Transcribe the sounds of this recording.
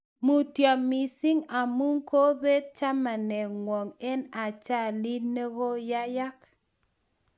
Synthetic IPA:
mu˨tja˨mi˨si˦ŋa˨mu˦ŋko˦be˦d̪̚t͡ʃa˦ma˨nɛ˨ŋwɔ˨ŋɛ˦na˨t͡ʃa˦˨li˦ne˦ɣo˦ja˦ja˦k

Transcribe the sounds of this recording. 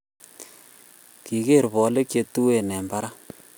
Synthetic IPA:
ki˨ke˦˨ɾβɔ˨˦le˦kje˧tu˦we˦˨nɛ˨mba˦ɾa˦

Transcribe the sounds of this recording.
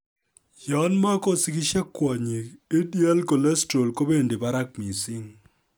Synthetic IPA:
jɔ˨˦nma˦ko˦si˦kɪ˦ʃɛ˦kːwɔ˨ɲi˨e˦dia˦lko˨lɛ˦sto˨lko˦be˦˨nde˨ba˦ɾa˦k̚mi˨sɪ˦ŋ

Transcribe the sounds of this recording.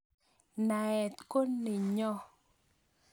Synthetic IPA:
na˨ɛ˨t̪ko˦nːɪ˨ɲɔ˦

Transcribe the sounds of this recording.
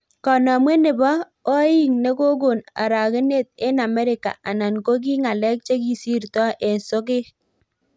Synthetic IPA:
kɔ˨na˨mwe˦nɪ˨bɔ˦ | o˦ji˦˨ŋne˦ko˦ɡo˨na̰˨ɾa˨ke˦ne˦˨t̪̚ɪ˦na˨mɛ˦ɾɪ˨ka̰˨ʔa˨na˨nko˦k̬i˦ŋa˨lɛ˦k̚t͡ʃe˦ki˦si˦ɾtɔ˦ʔe˨nsʊ˦kɪ˦

